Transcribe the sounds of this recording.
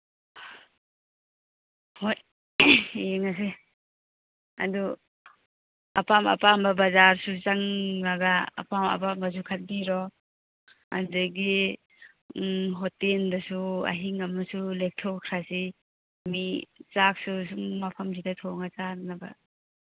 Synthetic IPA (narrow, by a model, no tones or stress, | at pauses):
hoj | ŋas̬e | a̰du | apamɐ̰pambabazaɾsut͡ʃaŋnaɡa̰ːpama̰pambas̬ukʰat̚biɾɔ | a̰nzaɡi | ɦɔtendasua̰ɦiŋamasulek̚tʰɔkʰɾasi | mit͡ʃak̚susuŋmapʰamzidatʰɔŋat͡ʃannaba̰